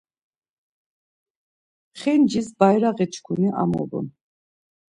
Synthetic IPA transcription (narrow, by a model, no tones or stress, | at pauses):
χɛnd͡ʒisbajɾaʁɛt͡ʃʰkʰuniʔa̰mɔ̰bṵn